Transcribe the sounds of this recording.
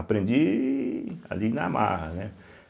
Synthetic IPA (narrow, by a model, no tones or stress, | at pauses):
apɾẽnd͡ʒi | a̰linama̰ɦɐnɛ